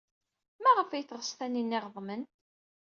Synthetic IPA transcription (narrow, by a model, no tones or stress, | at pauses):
mæʁəfæjθʁəsθæninːɪʁðˤmən